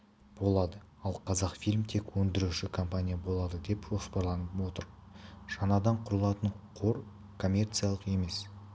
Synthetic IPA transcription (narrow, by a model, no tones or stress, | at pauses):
b̥o̞lˠɑd̪ə | ɑlˠqʰɑzɑqfijlʲmt̪ʰe̞kwɵnd̪ɪɾuʃɪkʰo̞mpanʲijabo̞lˠɑd̪əd̪e̞pʒo̞spɑɾlˠɑnəpwo̞t̪əɾ | ʒ̥ɑnɑd̪ɑɴqʰʊɾəlˠɑt̪əɴ | qʰo̞ɾ | kʰo̞mʲːe̞rt̪sɨjalˠəqe̞me̞s